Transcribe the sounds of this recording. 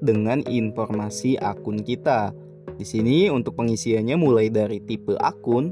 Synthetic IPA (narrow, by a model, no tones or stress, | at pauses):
dəŋanḭnformasiʔa̰kʊnkit̪a | disiniunt̪ʊk̚pəŋisiaɲamulajdaɾit̪ipəʔa̰kʊn